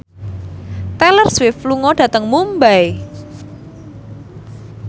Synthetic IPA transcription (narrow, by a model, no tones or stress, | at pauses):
t̪ɛlərswɪfluŋɔɖ̥ä̤t̪əŋmumbaj